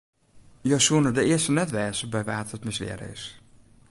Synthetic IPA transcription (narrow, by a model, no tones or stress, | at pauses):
josuənədəɪːəstənɛtʋɛːzəbɛjʋaːtətmɪsʋɪ̰əɾə̰ɪ̰s